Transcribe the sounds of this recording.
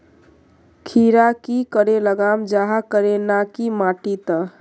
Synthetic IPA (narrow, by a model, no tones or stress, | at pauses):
kʰiɾakikəɾeləɡamd͡ʒaɦakəɾenakimaʈit̪ə